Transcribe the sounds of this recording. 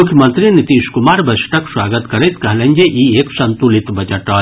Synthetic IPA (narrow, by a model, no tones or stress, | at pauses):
ʊkʰjəmɐnt̪ɾinit̪iːskumaːɾbɐsʈʰɐkswaːɡət̪kɐɾɐjt̪kɐɦlɐ̃nʲd͡ʒeʔieksɐnt̪ulit̪bɐd͡ʒɐʈɐ